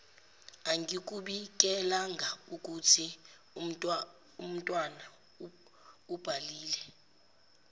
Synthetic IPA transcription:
aŋɡʱik̬ʼuɓik̬ʼɛlaŋɡʱauk̬ʼutʰi | um̩tʼwana | ub̥ʱaliːlɛ

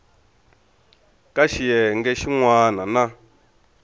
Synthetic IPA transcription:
kʼaʃijɛŋɡɛʃiŋwanana

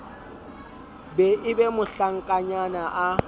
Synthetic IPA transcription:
bɛʔɪbɛmʊɬaŋ̩kʼaɲanaʔa

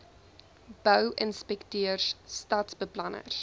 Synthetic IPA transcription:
b̥œwʔənspɛktøərsstɐtsbəplɐnə̰r

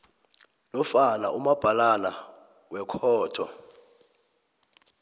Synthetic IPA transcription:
lɔfana̰ʔumab̥ʱalala | wɛkʰɔːtʰɔ̰

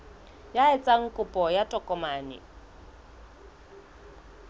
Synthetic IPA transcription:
jaɛt͡sʼaŋ̩kʼʊpʼɔjatʼɔkʼɔmaːnɪ̰

